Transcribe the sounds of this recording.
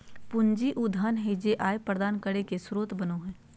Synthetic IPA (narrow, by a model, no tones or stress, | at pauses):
pʊɲd͡ʒiʔʊd̪ʱənɦed͡ʒeʔaːjpɾəd̪aːnkəɽekesɾoːt̪bɐnoɦɛ̃ː